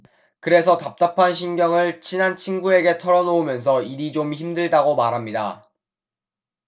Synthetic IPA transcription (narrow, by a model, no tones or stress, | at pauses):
kɯɾe̞s̬ʰʌtap̚t͈apʰanɕʰinɡjʌŋɯɭt͡ɕʰinant͡ɕʰinɡue̞ɡe̞tʰʌɾʌnoomjʌns̬ʰʌiɾid͡ʑomçimdɯɭdaɡomaɾɦamɲida̰